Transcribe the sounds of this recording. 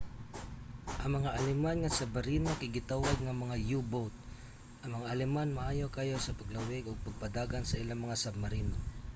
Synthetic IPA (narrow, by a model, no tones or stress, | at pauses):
ʔɐŋmɐŋaʔɐlɪmanŋɐsɐbɐɾiːnakɪɡɪt̪awaɡ̚ŋɐmɐŋajubowt̪̚ | ʔɐŋmɐŋaʔːlɪmanmaʔaːjo̞kɐjo̞sɐpɐɡlawɪɡoɡ̚pɐɡ̚pɐd̪aːɡansɐʔɪlaŋmɐŋasɐb̚mɐɾina